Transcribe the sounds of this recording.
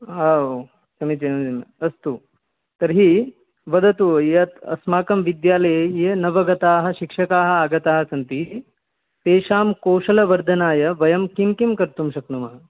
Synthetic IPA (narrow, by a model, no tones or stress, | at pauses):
ɦaːo | sɐmit͡ʃinɐmd͡ʒimɐɐst̪u | t̪ɐɾɦi | ʋɐd̪ʱɐt̪ujɐt̪ɐ̰smaːkɐmʋid̪jaːlɐjjenɐʋɐɡɐt̪aːɦɐ̆ʃikʂɐkaːɦɐ̆aːɡɐt̪aːɦɐsɐnt̪i | t̪eːʃaːmkoːʂɐlɐʋɐɾd̪ʱɐnaːjɐʋɐjɐmkimkimkɐɾt̪umʃɐknumɐɦɐ